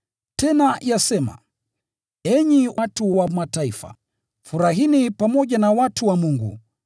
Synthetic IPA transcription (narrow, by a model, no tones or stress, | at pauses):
tɛnajasɛma̰ | ɛɲiwʔatuwamataifa̰ | fuɾaɦinipamɔʄanawatuwamuŋɡṵ